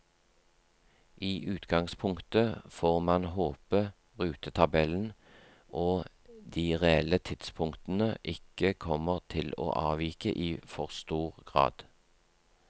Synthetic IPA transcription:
ʔiːʔʉːt̪ɡɑŋspʰʊŋkt̪əfoːʁmɑnɦoːpə | ʁʉːt̪ət̪ʰɑbɛln̩ | ʔoː | d̪iːʁeɛlət̪ʰɪd̪spʰʊŋkt̪n̩əʔɪkəkʰɔməʁt̪ʰɪlo̰ːʔɑːʋiːkə̰ʔiːfɔʁst̪uːʁɡʁɑ̰ːd̪̥

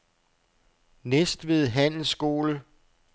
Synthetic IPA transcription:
nesd̥ʋe̝ð̞ˠɦæn̰l̩sɡ̥o̝̰ːlə

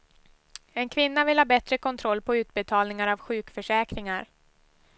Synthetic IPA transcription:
ɛnkʰvɪnːavɪlhɑːbɛt̪ɾəkʰɔnt̪ʰɾɔlːpʰɔʉ̟ːt̪̚bɛt̪ʰɑːlnɪŋaɾavɧʉ̟ːkfœʂɛːkɾɪŋaɾ

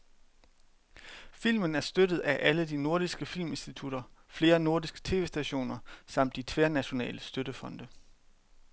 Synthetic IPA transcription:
fil̰mənæɐsd̥ød̥ð̩ˠæʔæləd̥ino̝ɐ̰ɾ̥isɡ̥əfil̰me̝nsd̥it͡sʰuɾ̥ɐfle̝ːɐno̝ɐdisɡ̥ə̥t͡sʰe̝̰ːʋe̝ːsd̥æɕo̝̰ːnɐsɑ̈m̰d̥ːit͡sʰʋeæɐnæɕo̝nɛ̰ːləsd̥øɾəfɒ̽nd̥ə

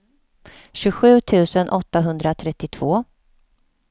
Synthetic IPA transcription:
ɕɵɧʉ̟ːt̪ʰʉ̟ːsənʔɔt̪ːaɦɵnd̪ɾat̪ʰɾɛt̪ːɪt̪ʰv̥oː

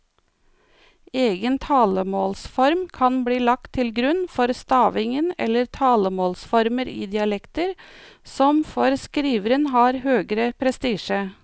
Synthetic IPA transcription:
eːɡənt̪ʰɑːləmoːlsfɔɾmkʰɑnbliːlɑk̚t̪ʰɪlɡɾʉnfɔɾst̪ɑːʋɪŋənɛ̰lːəɾt̪ʰɑːləmoːlsfɔɾməɾḭːd̪ɪɑlɛkt̪əɾsɔmfɔɾskɾiːʋəɾənɦɑːɾhøːɡɾəpʰɾɛst̪iːʃə

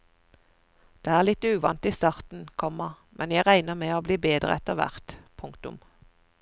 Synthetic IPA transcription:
d̪̥eːæːʁlɪt̪ʉːʋɑnt̪iːst̪ɑʁt̪n̩kʰɔmə | mʔɛnjæɪʁæɪnəmeːoːbliːbeːd̪ʁə̰ɛt̪əʋæ̰ʁt̪pʰʊŋkt̪ʊ̰m

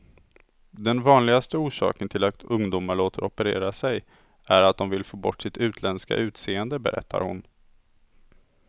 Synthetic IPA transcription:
d̪ɛnvɑːnlɪɡast̪əuːʂɑ̰ːkənt̪ʰɪlat̪ɵŋd̪uːmaɭoːt̪ʰəɾʔɔpəɾḛːɾasɛj | æɾat̪̚d̪ɔmvɪlfoːbɔʈːsɪt̪ʰʉ̟ːt̪ʰlɛnska̰ʔʉ̟ːt̪seːənd̪əbɛ̰ɾʔɛ̰t̪ʰːa̰ɾhʊ̰n

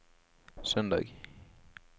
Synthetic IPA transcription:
sœnd̪ɑ̰ːɡ

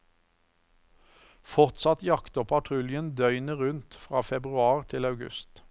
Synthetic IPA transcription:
fɔʁt̪sɑt̪jɑkt̪əpʰɑt̪ʰʁʉljənd̪œʏnəʁʉnt̪fʁɑːfɛbʁʉɑːʁt̪ʰɪlɑʉɡʉ̰st̪

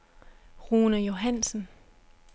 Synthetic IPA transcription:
ʁuːnəjo̝ɦænsn̩

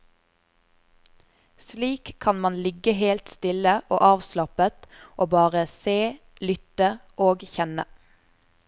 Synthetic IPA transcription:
sliːkʰɑnmɑnlɪɡəɦeːlt̪st̪ɪləʔo̰ːʔɑːʋslɑpət̪ʔoːbɑːʁəseː | lʏt̪əʔoːɡçɛnə̰

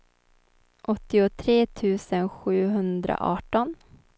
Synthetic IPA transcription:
ʔɔt̪ːɪʊt̪ʰɾeːt̪ʰʉ̟ːsənɧʉ̟ːɦɵnd̪ɾa̰ʔɑːʈɔn

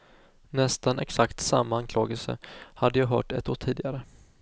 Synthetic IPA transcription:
nɛst̪anʔɛ̰ksakt̪samːaankʰlɑːɡəlsə̰had̪ːəjɑːɦœ̰ːʈɛ̰t̪oːʈ̪tʰiːd̪ɪɡaɾə

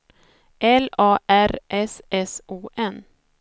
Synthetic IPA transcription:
ʔɛlɑːʔæɾʔɛsɛsuːʔɛn

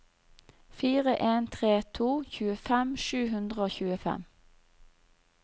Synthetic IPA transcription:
fiːʁəʔeːnt̪ʰʁeːt̪ʰuːçʉːəfɛmʃʉːɦʉnd̪ʁəoːçʉːəfɛ̰m

